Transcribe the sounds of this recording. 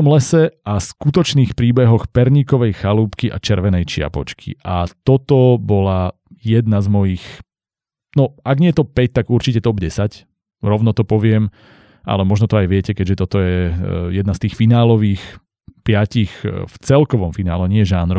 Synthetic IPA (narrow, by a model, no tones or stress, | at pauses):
ɔmlɛsɛʔaskut̪ɔt͡ʃniːxpɾiːbɛɦɔxpɛɾɲikɔʋɛjxaluːpkiʔa̰t͡ʃɛɾʋɛnɛjt͡ʃɪa̰pɔt͡ʃkʰḭʔat̪ɔt̪ɔbɔla | jɛd̪nazmɔjix | nɔʔaɡɲɪɛt̪ɔpɛc̚t̪aɡuɾt͡ʃicɛt̪ɔbɟɛsac | ɾɔʋnɔt̪ɔpɔʋɪɛm | ʔa̰lɛmɔʒnɔt̪ɔajʋɪɛcɛkɛɟʒɛt̪ɔt̪ɔjɛjɛd̪nast̪iːxfinaːlɔʋiːx | pɪacixft͡sɛlkɔʋɔmfina̰ːlɛɲɪɛɛʒaːnɾɔ